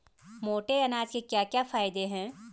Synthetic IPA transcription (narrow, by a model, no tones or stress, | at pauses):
moːʈeɐnaːd͡ʒkekjaːkjafaːɪd̪eɦɛ̃ː